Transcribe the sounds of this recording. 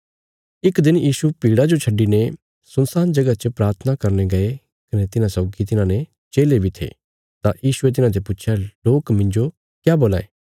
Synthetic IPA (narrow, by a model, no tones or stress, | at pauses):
ɪkd̪ɪnjiːsupiːɽad͡ʒot͡ʃʰɐɖːine | sʊnsaːnd͡ʒɐɡat͡ʃəpɾaːɾt̪ʰənakɐɾneɡɐe | kɐnet̪ɪnãsɔːɡit̪̬ɪnãne | t͡ʃeːlebʱit̪ʰḛː | t̪ãjiːʃuet̪̬ɪnãd̪epʊtːt͡ʃʰjaloːkmɪ̃ɲd͡ʒo | kjaːboːla̰ːḛː